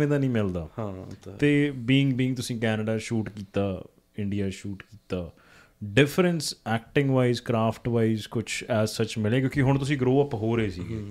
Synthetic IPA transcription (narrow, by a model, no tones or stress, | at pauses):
ẽːd̪aːnĩːmɪld̪aːhãeːbiːŋɡbiːŋɡ̚t̪ʊsĩːkɛːnəɖaːʃuːʈkiːt̪aː | ɪɳɖijaːʃuːʈkiːt̪aː | ɖɪfʰɾənsɛːk̚ʈɪ̃ŋɡʋaːizkɾaːpʰʈʋaːizkʊt͡ʃʰɛːzsət͡ʃmɪleːkjõːkiɦʊɳ̃t̪ʊsĩːɡɾoːəpɦoːɾəeːsiː